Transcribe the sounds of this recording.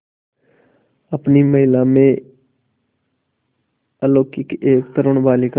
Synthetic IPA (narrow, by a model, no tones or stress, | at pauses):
əpniməɦɪlamẽ | əloːkːikʔeːk̚t̪əɾʊɽ̃baːlik